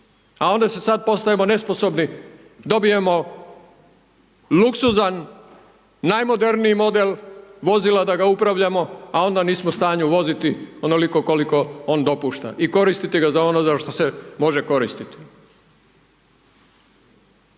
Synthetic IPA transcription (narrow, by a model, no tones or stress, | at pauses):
ao̞nd̪asesad̪̚po̞st̪aʋemo̞ne̞spo̞so̞bni | d̪o̞bie̞mo̞ | luksuzanː | ajmo̞d̪e̞ɾniimo̞d̪elʋo̞zilad̪aɡaupɾaʋʎamo̞ao̞nd̪aniːsmost̪aːɲuʋo̞zit̪iono̞liko̞ko̞liko̞o̞ːnd̪o̞puːʃt̪a̰ʔiko̞ɾist̪it̪iɡazao̞nozaʃt̪o̞semo̞ʒeko̞ɾist̪it̪i̥